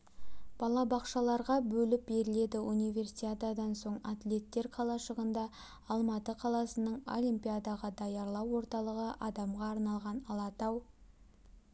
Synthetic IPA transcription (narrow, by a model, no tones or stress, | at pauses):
b̥ɑlˠɑbɑqʃɑlˠɑɾʁɑbɵlɪp̚be̞ɾɪle̞d̪ɪunijvʲe̞rsʲad̪ad̪ɑnso̞ɴat̪lʲe̞t̪ːe̞ɾqʰɑlˠɑʃəʁənd̪ɑ | ɑlˠmɑt̪əqʰɑlˠɑsənəɴo̞̰lijmpʲijad̪ɑʁɑd̪ɑjɑɾlˠɑwːo̞ɾt̪ɑlˠəʁəʔɑd̪ɑmʁɑːɾnɑlˠʁɑnɑlˠɑt̪ɑw